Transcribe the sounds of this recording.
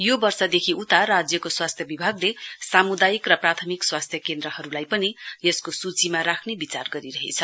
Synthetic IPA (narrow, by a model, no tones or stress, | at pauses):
jobʌrsʌd̪ekʰiut̪arad͡zjʌkoswast̪ʰjʌbibʱaɡlesamud̪ajikrʌprat̪ʰʌmikswast̪ʰjʌkend̪ɾʌhʌɾulajpʌnijʌskosut͡simaɾakʰnebit͡sarɡʌɾiɾʌɦḛt͡sʰʌ